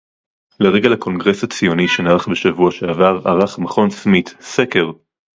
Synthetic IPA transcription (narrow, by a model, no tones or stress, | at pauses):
leʁeɡalako̞nɡʁe̞shat͡sijo̞niʃenaʁaχbeʃavuaʃeavaʁa̰ʁaχmaχo̞nsmit̪seke̞ʁ